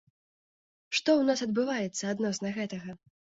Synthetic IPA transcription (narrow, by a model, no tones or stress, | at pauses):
ʂt̪ɔwnasɐd̪bɨvajɛt̪sːɐad̪nɔsnɐɣɛt̪ɐɣɐ